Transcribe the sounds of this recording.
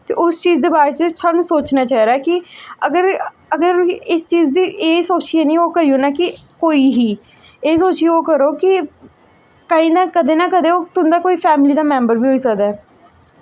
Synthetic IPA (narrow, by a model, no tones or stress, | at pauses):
t̪ḛːʔʊst͡ʃiːzd̪eːbaːɾet͡ʃsaːnũːsoːt͡ʃnaːt͡ʃaːɦiɾaːɛkɪəɡəɾ | əɡəɾɪst͡ʃiːzd̪iːʔeːsoːt͡ʃiːɛnĩːoːkəɾijõːnaːkɪkoːiːɦiː | eːsoːt͡ʃioːkəɾoːkɪ | kəĩːd̪aːkəd̪eːnaːkəd̪eːoːt̪ʊnd̪aːkoːiːpʰɛːmliːd̪aːmɛ̃ːmbəɾbiːɦoːiːsəɡd̪aː